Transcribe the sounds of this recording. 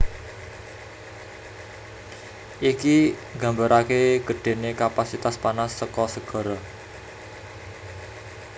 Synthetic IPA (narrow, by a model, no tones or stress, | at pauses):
ʔiki | ɡ̥a̤mbəɾakeɡ̥ə̤ɖ̥e̤nekapasit̪aspanasːəkɔsəɡ̥ɔ̤ɾɔ